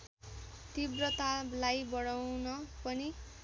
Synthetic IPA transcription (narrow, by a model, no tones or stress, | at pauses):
t̪ibrʌt̪ablajbʌɽawnʌpʌni